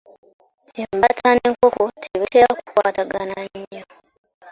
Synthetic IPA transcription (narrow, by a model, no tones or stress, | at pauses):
embatʰaneŋko̞kotʰeβiteːɾaku̥kwaːtaɡanaɲːo